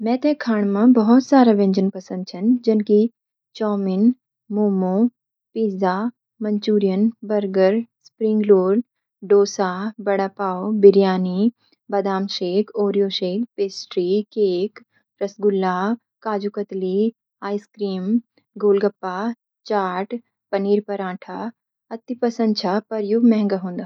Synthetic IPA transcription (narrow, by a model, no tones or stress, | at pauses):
mɛ̃ːt̪ɛ̃kʰaːɳ̃mãbɐɦʊt̪saːɾaʋẽɲd͡ʒənpɐsə̃nd̪̚t͡ʃʰɐnd͡ʒɐnki | t͡ʃɔːmɪn | moːmõː | piːzaː | mɐ̃ɲt͡ʃuːɾijənbɐɾɡəɾspɾɪ̃ŋɡloːɽ | ɖoːsaːbɐɽapaːobɪɾjaːni | bɐd̪aːmʃeːkoːɾijoːʃeːkpeːsʈɾikeːk | ɾɐsɡʊlːaː | kaːd͡ʒukət̪li | aːjskɾiːm | ɡoːlɡɐpːaː | t͡ʃaːʈ | pɐniːɾpɐɾãːʈʰaː | ɐt̪ːipɐsə̃nt͡ʃʰaːpɐɾjuɡmɛɦŋɡaɦõːnd̪aː